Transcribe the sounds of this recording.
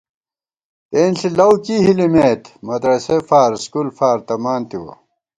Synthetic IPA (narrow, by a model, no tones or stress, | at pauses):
t̪eːnɬilɐwkiɦilimeːt̪mɐd̪ɾɐsefaːɾskulfaːɾt̪ɐmaːnt̪iwɐ̰